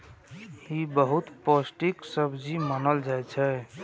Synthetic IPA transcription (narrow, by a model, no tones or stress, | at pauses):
ibəɦut̪posʈiksəbd͡ʒimənəld͡ʒajt͡ʃʰɛ